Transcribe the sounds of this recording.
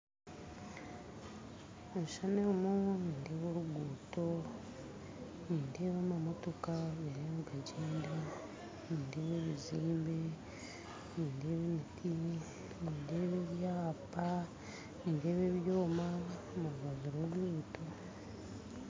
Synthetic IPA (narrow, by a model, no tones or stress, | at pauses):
eʃanemoniːndeːβoɾuɡuːto | niːnde̞ːβaːmamotokaβeɾamuɡaɟiːnda | niːnde̞βeβiziːmbe | niːnde̞ːβemitʰi | niːnde̞βeβjaːpa | niːnde̞ːβeβjoːma | muɾuβaβiɾoβjuːto